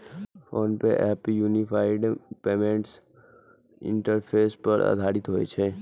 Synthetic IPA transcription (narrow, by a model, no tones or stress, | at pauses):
foːnpeʔɛːpjuːnipʰaːɪɖpeːmẽɳʈs | ɪ̰̃ɳʈəɾpʰeːspɐɾʔa̰d̪ʱaːɾɪt̪ɦoːḛt͡ʃʰeː